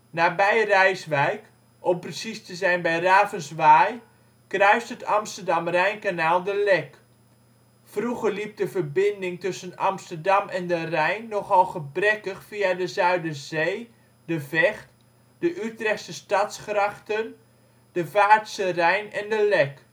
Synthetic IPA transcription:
nabɛjrɛjsʋɛjk | ʔɔmprəsistəzɛjnbɛjraːvənsʋaːj | krœɥstətamstəɹdɑmrɛjnkanaːlˠdəlɛk | fruɣərlip̚dəvərbɪndɪŋtɵsəna̰mstəɹdɑmʔɛndərɛjnːɔxɔlˠχəbrɛkəxfiadəzœɥdəz̥eː | dəvɛxt | d̥əʔytrɛxsəstɑtsxraxtən | d̥əvaːɹtsərɛjnɛndəlɛk

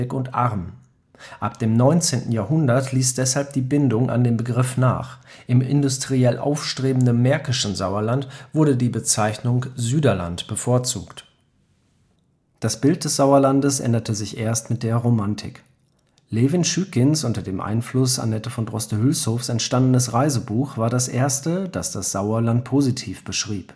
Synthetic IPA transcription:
ɪkʊntʔa̰ʁm | ʔap̚d̥eːmnɔʏnt͡seːntn̩jaːɐɦʊndɐtʰliːsd̥ɛshalp̚d̥iːbɪndʊŋʔa̰ndeːmbəɡʁɪfna̰ːχʔɪmɪ̰ndʊstʁ̥iɛlʔa̰ʊfʃtʁ̥eːbm̩dənːɛɐkɪʃn̩zaʊɐlantv̥ʊɐdədiːbət͡saɪçnʊŋzyːdɐla̰ntb̥əfoːɐt͡sṵːkt | d̥asb̥ɪlt̚d̥ɛsz̥aʊɐlandəsʔɛ̰ndɐtʰəzɪçʔeːɐstmɪt̚d̥eːɐʁomantʰɪ̰k | lɛvɪnʃyːkɪnsʔʊntɐdeːmʔa̰ɪnflʊsa̰nɛtəfɔndʁɔstəhʏlshoːfsɛntʃtandənəsʁaɪzəbuːxv̥aːɐɾasʔḛːɐstəd̥asd̥asz̥aʊɐlant̚pʰozitʰiːfb̥əʃʁ̥iːp

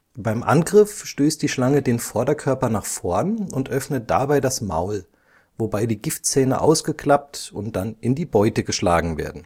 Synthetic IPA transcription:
b̥aɪmʔa̰nɡʁɪfʃtøːstd̥iːʃlaŋədeːnfɔɐdɐkʰœɐpɐnaːχfɔɐnʊntʔœfnət̚d̥a̰baɪdasma̰ʊl | vobaɪdiːɡɪftt͡sɛːnə̰ʔa̰ʊsɡ̥əkʰl̥ap̚tʊntd̥anɪndiːbɔʏtəɡəʃla̰ːɡŋ̩vḛːɐdn̩

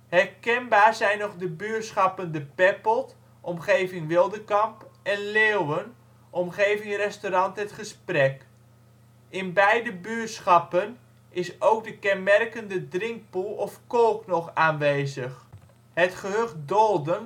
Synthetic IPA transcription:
hɛrkɛnbaːzɛjnɔχdəbyːsχɑpəndəpɛpəlˠt | ʔɔmχeːvɪŋʋɪlˠdəkɑmpɛnlewwən | ʔɔmχeːvɪŋrɛstoɾɑntɦətχəsprɛk | ɪnbɛjdəbyːsχɑpən | ɪsowk̚dəkɛnmɛrkəndədrɪŋk̚pulˠɔfkolˠknɔχaːnʋeːzəχ | ɦɛtχəɦøχdɔlˠdən

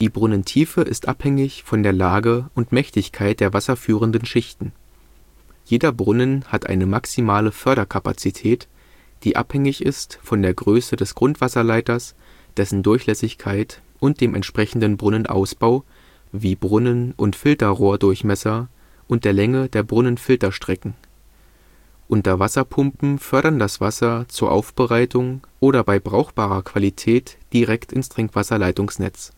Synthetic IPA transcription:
d̥iːbʁʊnəntʰiːfəʔɪstʔa̰phɛŋɪçfɔndeːɐlaːɡəʔʊntmɛçtɪçkʰaɪt̚d̥eːɐvasɐfyːʁ̞əndnʃɪçtn̩ | jeːdɐbʁʊnənhatʔa̰ɪnəmaksimaːləfœɐɾɐkʰapa̰t͡sitʰɛːt | d̥iːʔa̰phɛŋɪçɪstfɔndeːɐɡʁøːsədɛsɡ̥ʁʊntv̥asɐlaɪtɐs | d̥ɛsn̩dʊɐçlɛsɪçkʰaɪt | ʔʊnt̚d̥eːmʔɛ̰ntʃpʁ̥ɛçn̩dənbʁʊnənʔa̰ʊsb̥aʊ | viːbʁʊnənʔʊntfɪltɐʁoːɐdʊɐçmɛsɐ | ʔʊntd̥eːɐlɛŋədeːɐbʁʊnənfɪltɐʃtʁ̥ɛkŋ̩ | ʔʊntɐvasɐpʰʊmpm̩fœɐɾɐndasv̥asɐt͡suːɐʔa̰ʊfb̥əʁaɪtʊŋʔoːɾɐbaɪbʁaʊxb̥aːʁɐkʰv̥alitʰɛːtd̥iʁɛktɪnstʁ̥ɪŋkv̥asɐlaɪtʊŋsnɛ̰t͡s

